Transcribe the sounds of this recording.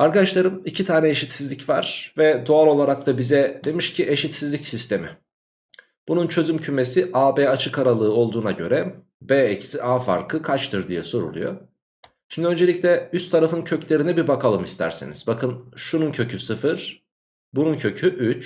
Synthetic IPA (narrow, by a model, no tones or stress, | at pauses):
aɾkad̪aʃlˠaɾɯmicʰit̪ʰaːnɛeʃit̪sizlʲicva̰ɾ̥vɛd̪oalˠo̞lˠaɾak̚t̪ʰabizɛd̪e̞miʃcʰiʔe̞ʃit̪sizlʲicsist̪ʰe̞mḭ | b̥ununt͡ʃʰø̞zymcʰyme̞siʔaːbɛːat͡ʃʰɯkaɾalˠɯːo̞lˠd̪uːnaɟø̞̰ɾɛ | beːeci̥siʔaːfa̰ɾkʰɯkʰat͡ʃt̪ʰɯɾd̪ijɛso̞ɾṵlˠṵjo̰ | ʃimd̪iø̞nd͡ʒe̞lʲiclʲɛyst̪ʰːaɾafɯncʰø̞clʲe̞ɾinɛbibakʰalˠɯmist̪ʰæ̰ɾsḭniz̥bakɯnʃununcʰøcʰysɯfɯɾ̥ | bununcʰø̞cʰyʔyt͡ʃ